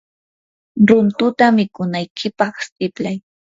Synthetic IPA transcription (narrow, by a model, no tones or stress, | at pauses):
ɾʊnt̪ʊt̪amɪkʊnajkʰɪpɑχst̪ɪplaj